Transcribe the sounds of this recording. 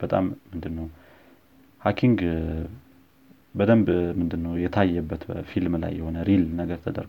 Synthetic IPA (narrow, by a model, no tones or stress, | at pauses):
b̥ət̪ʼamːɨnd̪ɨnːəw | hakʰiŋɡ | bəd̪əmbmɨnd̪ɨnːəwjɛt̪ʰajːɛbːət̪əfilmla̰jːɛho̞nəɾilnəɡəɾt̪ʰəd̪ə̰ɾɡ